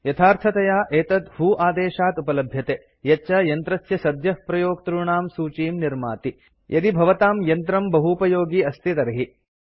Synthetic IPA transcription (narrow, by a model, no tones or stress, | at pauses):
jɐt̪ʰaːɾt̪ʰɐt̪ɐjaːʔeːt̪ɐt̪ɦuːʔaːd̪eːʃaːt̪upɐlɐbʱjɐt̪eː | jɐt͡ʃːɐjɐnt̪ɾɐsjɐsɐd̪jɐhpɾɐjoːk̚t̪ɾuɳaːmsuːt͡ʃiːmniɾma̰ːt̪i | jʔɐd̪ibʱɐʋɐt̪aːmjɐnt̪ɾɐmbɐɦupɐjoːɡiːɐst̪ʰit̪ɐɾɐɦi